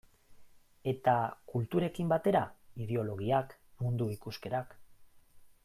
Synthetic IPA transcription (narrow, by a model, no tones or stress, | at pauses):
e̞t̪akult̪uɾe̞kimbat̪e̞ɾaið̞eo̞lo̞ɣiakmund̪uikuske̞ɾak